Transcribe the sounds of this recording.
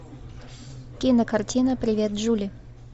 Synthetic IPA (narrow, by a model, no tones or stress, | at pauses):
kʲinəkɐrtʲinəpɾʲɪvʲet̪ʐulʲɪ